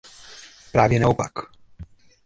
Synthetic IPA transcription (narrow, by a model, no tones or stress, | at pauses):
pɾaːvjɛnaopak